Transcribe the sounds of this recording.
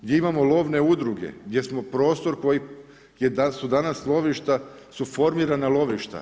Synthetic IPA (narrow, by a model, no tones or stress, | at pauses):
ɡd̪je̞imamo̞lˠo̞ʋne̞ud̪ɾuɡe̞̰ɡd̪ʲje̞smo̞pɾo̞ːst̪o̞ɾko̞ji | jed̪asud̪anaslˠo̞ʋiʃt̪a | sufo̞ɾmiɾanalˠo̞ʋiʃt̪a̰